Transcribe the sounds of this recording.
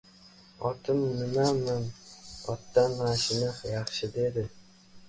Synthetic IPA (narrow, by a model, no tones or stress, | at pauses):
ɒt̪ʰɪmːɪnamːanɒt̪ːanaʃɪnɨqjɑχʃɪd̪e̞d̪ɪ